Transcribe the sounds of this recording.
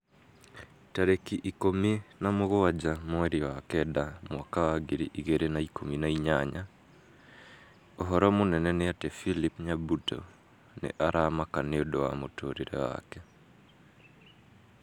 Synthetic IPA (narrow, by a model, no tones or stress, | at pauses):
taɾekiʔikominamoɣoad͡ʑamwɛɾiwakɛdamwakawaɡiɾḭʔiɣeɾenaikominaiɲaɲa | ɔɦɔɾɔmonɛnɛneatɛfilipɲabutɔ̰ | nḛʔaɾamakaneodowa̰motoɾiɾɛ̰wa̰kɛ